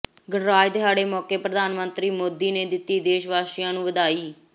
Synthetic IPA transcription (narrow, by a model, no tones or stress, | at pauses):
ɡəɳɾaːd͡ʒd̪ɪɦaːɽeːmɔːkeːpɾəd̪ʱaːnmənt̪ɾiːmoːd̪iːneːd̪ɪt̪ːiːd̪eːʃʋaːʃɪjãːnũːʋəd̪aːiː